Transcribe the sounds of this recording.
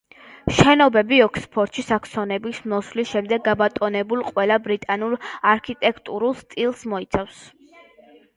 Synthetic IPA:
ʃɛnɔbɛbiɔkʰspʰɔɾt̪ʰʃʰisakʰsɔnɛbismɔswlisʃɛmd̪ɛɡːabat̪ʼɔnɛbulˠqʼwɛlˠabɾit̪ʼanulˠaɾkʰit̪ʼɛkʰt̪ʼuɾulˠst̪sʼilˠsmɔit̪sʰafs

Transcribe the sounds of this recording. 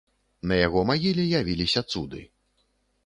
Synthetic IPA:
nɐjaɣɔmaɣʲilʲijavʲilʲisʲɐt̪sud̪ɨ̰

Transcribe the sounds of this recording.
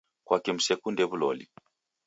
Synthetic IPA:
kwakɛmusekundɛβulɔ̰lḭ

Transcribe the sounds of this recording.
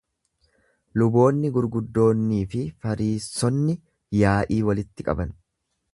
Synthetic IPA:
lʊbo̞ːnːɪɡʊɾɡʊd̪ːo̞ːnːiːfɪfɐɾiːsːɔnːɪ | jaːʔiːwɐlɪt̪ːɪkʼɐ̰bɐn

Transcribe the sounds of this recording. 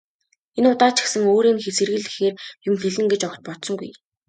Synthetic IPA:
enʊt̪aːt͡ɕɪ̥̆ksə̆ŋoːɾiːŋxesɘ̆rɣɘ̆ɮɘ̆xeːrjʊmxeɮɘ̆ŋɡet͡ɕɔk̆t̪̚pɔt̪sɞ̆ŋɡṵj

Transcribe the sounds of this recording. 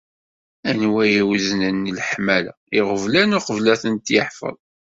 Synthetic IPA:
ænwæjiwznənːlħmælæ̰ | ɪʁəvlænʊqəvlæθənt̪jə̰ħfə̰ðˤ

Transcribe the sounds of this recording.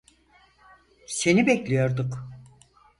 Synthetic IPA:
senibɛclʲijo̞ɾd̪uk

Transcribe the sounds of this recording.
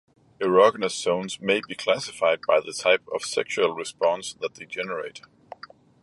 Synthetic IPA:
ɨɹɑɡnɨsõʊ̃nzmeɪbikʰl̥æsɨfaɪd̚baɪðɨtʰaɪpʌ̰v̥sɛkʃuəl̩ˠɹɨspɑ̃nsðət̪̚ðed͡ʒɛnə˞eɪt

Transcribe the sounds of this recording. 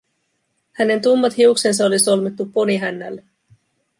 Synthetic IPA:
hæne̞nt̪umːɑt̪hiukse̞ns̬ɑo̞liso̞lmit̪ːupːo̞niɦænːæ̰lːe

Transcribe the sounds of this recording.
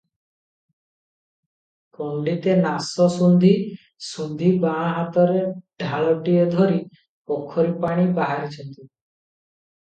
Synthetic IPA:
kɔɳɖit̪enasɔsund̪ʱi | sund̪ʱibãɦat̪ɔɾeɖʱaɭɔʈied̪ʱoɾi | pokʰːɔɾipaɽ̃ibaɦaɾit͡ʃʰɔnt̪i

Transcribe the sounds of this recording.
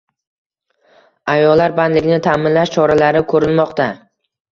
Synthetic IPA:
ajɒlːaɾband̪lɪɡʲɪnɪt̪ʰamɪnlaʃt͡ʃʰɒɾalaɾɪkʰɵɾɪnmɒqt̪a

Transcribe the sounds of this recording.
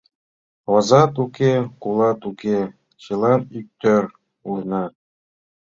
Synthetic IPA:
ɑzɑt̪ukequlˠɑt̪uke | t͡ɕɤlˠɑnik̚t̪øɾ | ulɤnɑ

